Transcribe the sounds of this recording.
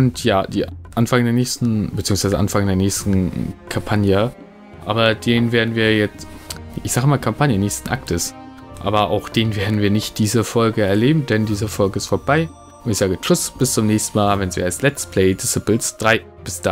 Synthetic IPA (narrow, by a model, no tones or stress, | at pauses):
ʔʊntjaːd̥ḭːʔanfaŋədeːɐnɛːçstn̩bət͡siːʊŋsv̥aɪzəʔa̰nfaŋədeːɐnɛːçstn̩kʰampʰanjə | ʔa̰ːbɐdeːnveːɐdn̩viːɐjɛt͡stʔɪçz̥aːɡəmaːlkʰampʰanjənɛːçstn̩ʔa̰ktəs | ʔa̰ːbɐʔa̰ʊxd̥eːnveːɐdn̩viːɐnɪçt̚d̥iːzɐfɔlɡəɛɐleːbm̩dɛndiːzəfɔlɡəɪstfoːɐbaɪ | ʔʊntɪçz̥aːɡət͡ʃʊsb̥ɪst͡sʊmnɛːçstn̩maːlvɛnsḛɛslɛt͡spʰl̥ɛɪdɪsɪplsd̥ʁaɪ | b̥ɪsd̥a